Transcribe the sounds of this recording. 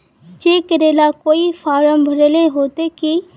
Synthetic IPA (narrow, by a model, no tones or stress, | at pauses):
d͡ʒeːkəɾeːlakoːifaːɾəmbʱəɾəleɦoːt̪eki